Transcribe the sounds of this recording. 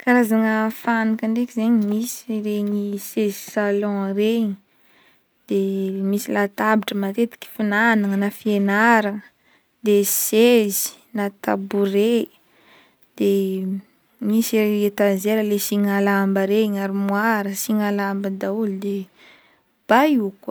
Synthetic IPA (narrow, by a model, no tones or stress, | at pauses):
kaɾazaŋəfanikəɳɖ͡ʐekizeɲimisiɾeɲisezi̥salɔ̃reɲi | d̪̥emisilat̪abiʈ͡ʂəmat̪et̪i̥kʲi̥finanaŋənafienaɾaŋə | d̪esezi̥ | nat̪abure | d̪̥e | misieet̪azeɾəlesiŋalambəɾeɲaɾimwaɾəsiŋalambəd̪aulud̪e | b̥aikwə